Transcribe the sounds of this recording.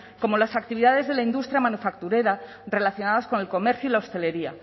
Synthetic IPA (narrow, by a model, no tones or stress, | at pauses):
ko̞mo̞lasakt̪iβ̞iðaðe̞zðe̞laind̪ust̪ɾjamanufakt̪uɾe̞ɾa | re̞laθjo̞naðasko̞ne̞lko̞me̞ɾθjuilaost̪e̞le̞ɾia̰